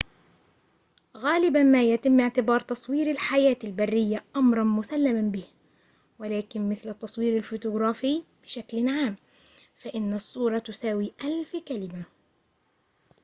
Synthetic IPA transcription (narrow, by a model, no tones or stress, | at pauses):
ɣaːlɪbanmaːjat̪ɪmːɪʕt̪ɪbɑːɾˤt̪ɑsˤwiːɾalħajaːt̪albarːɪjːaʔɑmɾˤɑnmʊsalːamanbɪh | wɪlaːkɪnmɪθlɪt̪ˤːɑsˤwiːɾalfʊt̪ʊɣɾˤɑːfiːb̥ɪʃaklɪnʕaːm | faʔɪnːɑsˤːuːɾˤɑt̪ʊsaːwiːʔalfkalɪma